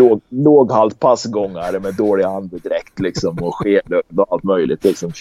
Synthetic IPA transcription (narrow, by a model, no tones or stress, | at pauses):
loːloːɡhalt̪̚pʰasɡɔŋːaɾmɛd̪oːɭɪand̪əd̪ɪɾɛkt̪lɪksɔmɔɧeːlød̪ɔalt̪mœjlɪ̰t̪lɪksɔm